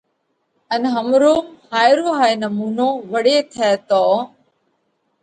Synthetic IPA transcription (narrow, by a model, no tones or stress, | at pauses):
ənɦəmɾuːmhaːjɾoːɦaːinəmuːnõːʋəɽeːt̪ʰɛːt̪oː